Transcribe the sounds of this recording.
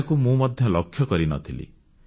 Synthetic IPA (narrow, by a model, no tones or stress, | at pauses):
kumũmɔd̪ʱjɔlɔkʰːjɔkɔɾinɔ̰t̪ʰilḭ